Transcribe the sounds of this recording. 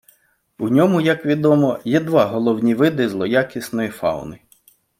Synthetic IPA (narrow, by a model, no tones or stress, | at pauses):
unʲɔmʊjɐkʋʲid̪ɔmɔjɛd̪ʋɑɦɔlˠɔwnʲiʋɪd̪ɪzlˠɔjakʲisnɔjifɑ̰wʊ̰nɪ